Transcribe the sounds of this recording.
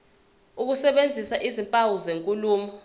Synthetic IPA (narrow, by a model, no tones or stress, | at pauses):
uk̬usɛɓend͡zʱisaʔizimpʼawuzeŋkʼuluːmɔ